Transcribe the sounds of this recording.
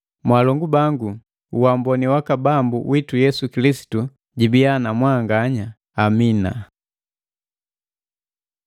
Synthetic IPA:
mwalɔŋɡubaŋɡu | uwambɔniwakabambṵwʔitujɛsukilisi̥tu | ɟibijanamwaŋɡaɲaː | mina̰

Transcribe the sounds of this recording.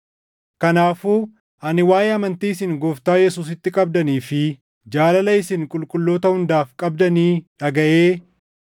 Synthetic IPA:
kɐnaːfuː | ʔɐnɪwaːjeːɐmɐnt̪iːɪsɪŋɡɔft̪aːjɛsuːs̬ɪt̪ːɪkʼɐb̚d̪ɐniːfɪ | d͡ʒaːlɐlɐɪsɪŋkʼʊlkʼʊlːo̞ːt̪ɐhʊnd̪aːfkʼɐb̚d̪ɐniːᶑɐɡɐʔeː

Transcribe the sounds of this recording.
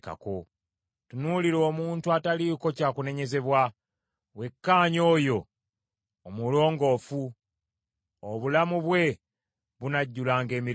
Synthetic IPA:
ka̰ko̞̰ | tunuliɾo̞ːmuːntuataliko̞caːkune̞ɲe̞ze̞βwa | we̞kːaːɲo̞ːjo̞ː | mulo̞ːŋɡo̞fu | oβulamuβwe̞ | βunaɟːulaːŋɡe̞ːmi

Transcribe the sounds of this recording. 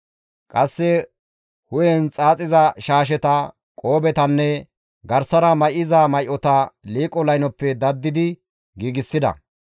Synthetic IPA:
kʼɐsːɛ | hʊjɛnt͡sʼaːt͡sʼɪzɐʃaːʃ̬ɛt̪ɐ | kʼo̞ːbɛt̪ɐnːɛ | ɡɐɾsɐɾɐmɐjɪzamɐjʔɔt̪ɐliːkʼɔlɐjnɔpːɛd̪ɐd̪ːɪd̪ɪ | ɡiːɡɪsːɪd̪ɐ̰

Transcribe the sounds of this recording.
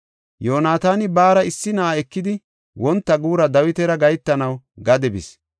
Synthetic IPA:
joːnaːt̪aːnɪbaːɾɐɪsːɪnaʔaɛkːɪd̪ɪ | wɔnt̪ːɐɡuːɾɐd̪ɐwɪt̪ɛɾɐɡɐjt̪ːɐnɐw | ɡɐd̪ɛbɪ̰s

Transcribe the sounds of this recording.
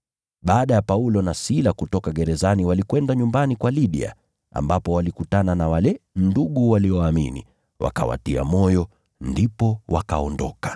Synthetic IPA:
ɓaːɗajapaulɔnasilakutɔkaɠɛɾɛzaniwalikwɛndaɲumbanikwaliɗḭa̰ | a̰mbapɔwalikutananawalɛnduɠuwaliɔamḭnḭ | wʔa̰ka̰wa̰tia̰mɔjɔ | ndipɔwa̰ka̰ɔndɔ̰kḁ

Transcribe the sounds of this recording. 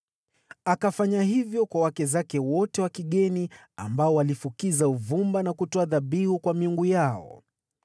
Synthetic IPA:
akafaɲahivjɔkwawakɛzakɛwɔtɛwakiɠɛni | a̰mbaɔwalifukizauvumbanakutɔaðabihukwamiuŋɡujaɔ̰

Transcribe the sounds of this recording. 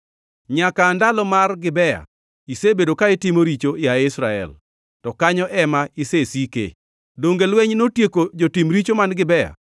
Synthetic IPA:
ɲakaːndalɔmarɡɪbɛja̰ | isebedokaɪtɪmoɾit͡ʃoɪaɪsɾaɛ̰l | tɔkaɲɔʔɛmaisesikḛ | doŋɡelweɲnotjekod͡ʒotimɾit͡ʃomanɡɪbɛja̰

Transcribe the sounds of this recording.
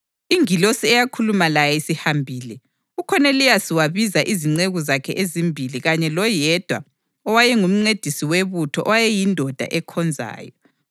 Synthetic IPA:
iŋilosiɛjakʰulumalajɛisihambʱiːlɛ | ukʰɔnelijasiwaβizaʔiziŋ͡ǀeɣuzakʰɛ̰ʔezimbʱiliɣaɲɛlɔjɛd̥ʱwa | ɔwajɛŋum̩ŋ͡ǀed̥ʱisiweβutʰɔʔɔwajɛjindʱɔd̥ʱa̰ʔɛkʰɔnd͡zʱa̰ːjɔ

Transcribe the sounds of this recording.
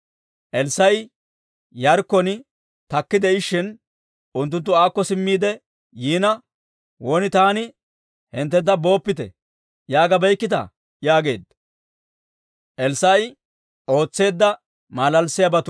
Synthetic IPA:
ʔɛlsɐj | jɐɾkːɔnɪ | t̪ɐkːɪd̪ɛɪʃːɪn | ʔʊnt̪̬ːʊnt̪ːʊaːkːɔsɪmːiːd̪ɛ | jiːnɐ | woːnɪt̪aːnɪ | hɪnt̪̬ːɛnt̪ːɐbo̞ːpːɪt̪ɛ̰ | jaːɡɐbɛjkːɪt̪ɐ̰ | jaːɡe̞̰ːd̪ːɐ | ʔɛlsːɐj | ʔo̞ːt͡sːe̞ːd̪ːɐ | maːlɐlsɪjɐbɐt̪ʊ

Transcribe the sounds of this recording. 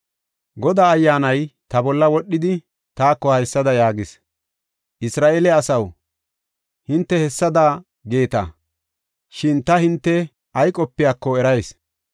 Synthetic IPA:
ɡɔd̪aːjːaːnɐjt̪ɐbɔlːɐwɔɗːɪd̪ɪ | t̪aːkːɔhɐjsːɐd̪ɐjaːɡɪs | ʔɪsɾaːʔeːlɛɐsɐw | hɪnt̪ːɛhɛsːɐd̪aː | ɡe̞ːt̪ɐ̰ | ʃɪnt̪ɐhɪnt̪ːɛ | ɐjkʼɔpːɪjaːkːɔɛɾɐjs

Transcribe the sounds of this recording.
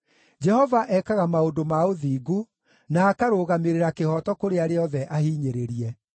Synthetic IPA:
d͡ʒɛhɔvaʔɛkaɣamaodomaoðiːɡu | naːkaɾoːɣameɾeɾakehɔtɔkoɾeaɾeɔðɛʔahiːɲeɾeɾiɛ

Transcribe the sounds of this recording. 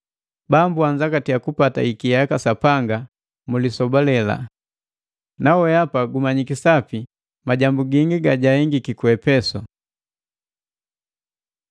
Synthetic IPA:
bambuaɲd͡ʒakatiakupata̰ikijakasapaŋɡa | mulisɔbɔlɛla̰ | nawɛapaɡumaɲikisapi | maɟambuɡiŋɡiɡaɟahɛŋɡikikuɛpɛsɔ

